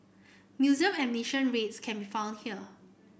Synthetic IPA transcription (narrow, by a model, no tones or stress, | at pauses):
njuzə̃mɛ̃mniʃə̃nɹetskʰɛ̃nbifãʊ̃ndhiə